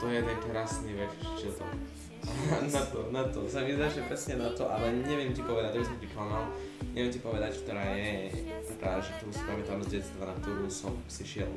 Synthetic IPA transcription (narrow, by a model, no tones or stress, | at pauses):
t̪ɔɛjɛd̪ɛnt̪ɛɾaːsniʋɛt͡st͡ʃɛt̪ɔ̰ | anat̪ɔnat̪ɔ̰saʋizaʃɲɛpɾɛsɲɛnat̪ɔʔalɛɲɛʋɪɛmcipɔʋɛd̪ac̚abisɔmpɾiklamal | ɲɛʋɛmcipɔʋɛd̪ackt̪ɔɾaːjɛt̪apɾa̰d̪aʒɛkt̪ɔɾuːsi̥pamɛt̪aːmzɟɛt͡st̪ʋanak̚t̪ɔɾuːsɔmsiʃɪɛ̰l